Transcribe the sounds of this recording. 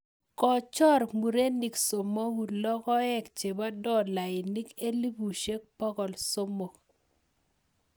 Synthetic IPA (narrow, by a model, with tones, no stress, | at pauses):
kɔ˨t͡ʃɔ˦ɾmu˨ɾe˦ni˨kso˨mo˦ɡu˨lɔ˦kɔ˦ɛ˦kt͡ʃe˨ba˦dɔ˦˨la˨ɪ˨ni˦ke˦li˦bu˨ʃe˦k̚pɔ˦kɔ˨lso˦mo˨k